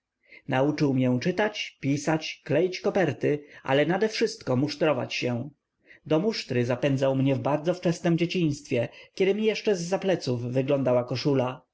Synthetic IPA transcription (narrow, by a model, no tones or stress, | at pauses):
naut͡ʂɘwmjɛ̃t͡ʂɘt̪at͡ɕpʲisat͡ɕklɛjt͡ɕkɔpɛɾt̪ɘʔa̰lɛnad̪ɛfʂɘst̪kɔmuʂt̪ɾɔva̰t͡ɕɕɛ̃ | d̪ɔmuʂt̪ɾɘzapɛnd̪zawmɲɛvbaɾd̪zɔft͡ʂɛsnɛmd͡ʑet͡ɕĩɲ̃st̪fʲjɛkʲɛd̪ɘmʲijɛʂt͡ʂɛzːaplɛt̪sufːɘɡlɔnd̪awakɔʂula